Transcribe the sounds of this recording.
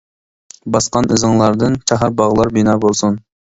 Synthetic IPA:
bɑsqɑnʔɨzɨŋlˠɑɾd̪ɨnt͡ʃʰɑɦɑɾbɑʁlˠɑɾbinɑːbolˠsun

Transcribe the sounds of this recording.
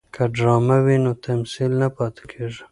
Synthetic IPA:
kʰaɖɾɑmawinot̪ʰamsilnapɑt̪e̥kʰeʐi

